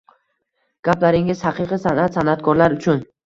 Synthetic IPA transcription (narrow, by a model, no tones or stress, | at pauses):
ɡ̥aplaɾɪŋɪzhaqɨqɨsanat̪sanat̪kʰɒɾlaɾʊt͡ʃʰʊn